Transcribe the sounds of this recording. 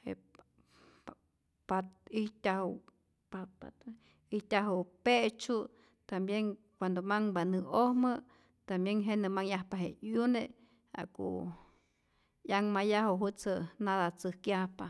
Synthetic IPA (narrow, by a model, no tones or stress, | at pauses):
hḛ | pat̪̚it̪ʲahu | papat̪ | iht̪ʲaɦupeʔt͡ʃu | t̪ambjeŋ | kʷand̪omaŋbanɨohmə | t̪ambjeŋɦeʔnɨmaŋjahpaɦejune | a̰kṵ | jaŋmajaɦuɦut͡sɨnaðat͡sɨhkjahpa